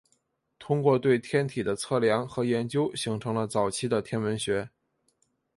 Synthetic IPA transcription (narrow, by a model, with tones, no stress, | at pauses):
t̪ʰʊ˥ŋkwɔ˥˧t̪we˥˩ɪt̪ʰjɛ˥nt̪ʰi˨˩d̪ə˦t͡sʰɤ˥˩ljɑ˧˥ŋxɤ˧˥jɛ˧˥nt͡ɕjo˥ʊɕi˧˥ŋʈ͡ʂʰɤ˧˥ŋlə˧t͡sɑ˨˩ʊt͡ɕʰi˥d̪ə˨t̪ʰjɛ˥nwə˧˥nɕɥɛ˧˥